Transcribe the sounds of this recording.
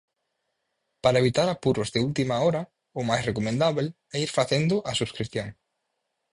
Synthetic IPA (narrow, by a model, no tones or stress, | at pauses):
paɾɐeβit̪aɾapuɾʊzðɪult̪imaɔɾɐ | ʊmajsrekomẽnd̪aβel | ɛiɾfaθend̪ʊʔɐsuskɾiθjoŋ